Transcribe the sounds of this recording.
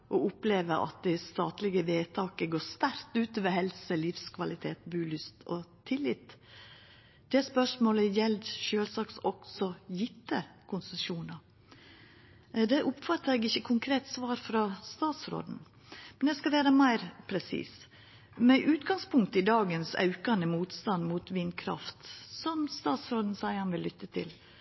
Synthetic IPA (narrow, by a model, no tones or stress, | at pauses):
ʔɔʊpleːʋəɾʔɑ̰t̪̚d̪ɛɪst̪ɑːt̪lɪɡəʋeːt̪ʰɑːkəɡoːst̪æɾt̪ʉːt̪oːʋəɦɛlsəlɪfskʰʋɑlɪt̪ʰeːt̪bʉːlʏst̪ʰɔt̪ʰɪlːɪt̪ː | d̪̥ɛspœʂmoːləjɛld̪ʃøːlsɑːksɔksɔjɪt̪ːəkʰʊnsəʃuːnɑ | d̪ɛʔʊpfɑt̪ːəɾɛɡɪçːəkʰʊŋkʰɾeːt̪sʋɑːɾfɾɑst̪ɑːt̪sɾo̰ːd̪n̩ | mɛnd̪ɛskɑʋæːɾəmæɪɾpʰɾɛsḭːs | mɛʔʉːt̪ɡɑŋspʰʊŋk̚t̪əɪd̪ɑːɡənsɑ̰ʉkɑnəmuːt̪st̪ɑnmuːt̪ʋɪnkʰɾɑ̰ft̪sɔmst̪ɑːt̪sɾoːd̪n̩sæɪhɑnʋɪlːʏt̪ːət̪ʰɪ̰l